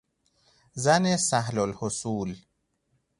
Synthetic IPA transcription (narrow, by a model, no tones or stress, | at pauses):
zænesæhlolhosuːl